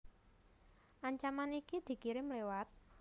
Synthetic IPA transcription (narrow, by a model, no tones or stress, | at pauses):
ʔaɲt͡ʃamanikid̪̥i̤kiɾɪmlewat̪̚